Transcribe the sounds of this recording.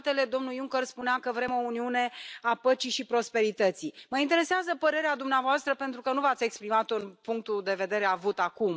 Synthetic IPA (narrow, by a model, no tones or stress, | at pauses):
t̪e̞le̞d̪o̞mnujuŋkərspuneakəvɾe̞mo̞uniune̞apət͡ʃiʃipɾo̞spe̞ɾit̪ət̪siməint̪e̞ɾe̞seazəpəɾe̞ɾead̪umneavoast̪ɾəpe̞nt̪ɾukənuvat̪sʲe̞kspɾimat̪oɨnpuŋk̚t̪ud̪e̞ve̞d̪e̞ɾe̞avut̪akum